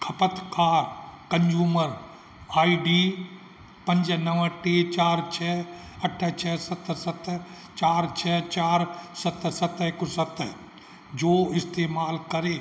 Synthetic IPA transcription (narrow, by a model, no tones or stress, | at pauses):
kʰɐpət̪ʰkaːɾkɐ̃ɲd͡ʒuːməɾ | aːiɖiː | pə̃ɲd͡ʒənəʋə̃ʈet͡ʃaːɾt͡ʃʰɛː | ɐʈʰːət͡ʃʰɛːsət̪ːəsət̪ | t͡ʃaːɾt͡ʃʰɛːt͡ʃaːɾsət̪sət̪əekʊsət̪ | d͡ʒoːɪst̪eːmaːlkɐɾeː